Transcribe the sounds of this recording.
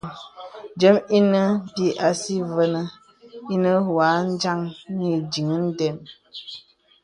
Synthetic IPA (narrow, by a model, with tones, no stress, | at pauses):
d͡ʒə˨˦mi˦nə˦bi˦ʔa˨si˦və˦nə˦ | i˦nə˦wa˨˦n˦d͡ʒa˦ŋni˦d͡ʒi˨ŋə˦n̩˦dɛ˨n